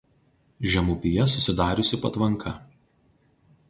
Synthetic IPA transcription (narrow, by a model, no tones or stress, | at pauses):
ʒʲɛmʊpʲɪjɛsʊsʲɪd̪ɑːɾʲʊsʲɪpɐt̪ʋɐŋkʰɐ